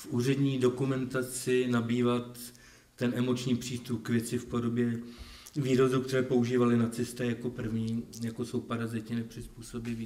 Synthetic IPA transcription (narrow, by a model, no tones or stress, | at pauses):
fʔuːr̝ɛdɲiːdo̞kumɛnt̪at͡sɪnabiːvat̪ː | ɛnɛmo̞t͡ʃɲiːpr̝̥iːst̪up̚kvjɛt͡sɪfpo̞do̞bjɛ | viːɾozukt̪ɛɾɛːpo̞uʒiːvalɪnat͡sɪst̪ɛːjako̞pr̩vɲiːjako̞so̞wpaɾazɪt̪ɪnɛpr̥ɪspuːso̞bɪviː